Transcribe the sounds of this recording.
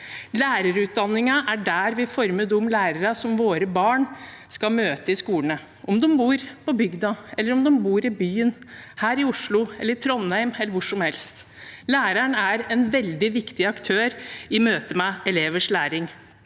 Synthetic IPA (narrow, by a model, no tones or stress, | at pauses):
læːɾəɾʉːt̪̚d̪ɑnːɪŋɑʔæɖæːɾʋɪfɔɾməd̪ʊmːlæːɾəɾɑsɔmʋoːɾəbɑːɳskɑmøːt̪əɪskuːlənə | ʔɔmd̪ɔmbuːɾpɔbʏɡd̪ɑʔɛlːəɾɔmd̪ɔmbuːɾɪbyːənhæːɾɪʊʂɭʊɛlːəɾt̪ʰɾɔnhæɪmɛlːəɾʋʊʂɔmhɛlst̪ | læːɾæɳæɾɛnʋɛld̪ɪʋɪkt̪ɪɑkt̪ʰøːɾɪmøːt̪əmɛɛleːʋəʂlæːɾɪŋ